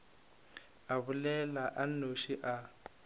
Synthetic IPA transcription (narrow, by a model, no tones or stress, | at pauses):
aβʊlɛlaʔan̩oʃiʔa